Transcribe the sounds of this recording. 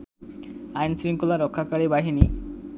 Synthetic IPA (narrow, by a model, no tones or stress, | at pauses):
ajnsɾiŋkulaɾɔkʰːakaɾibaɦini